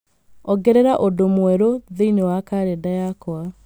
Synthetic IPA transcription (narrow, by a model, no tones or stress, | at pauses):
ɔɡɛɾeɾaʔodomwɛɾoðeinewakaɾedajakɔa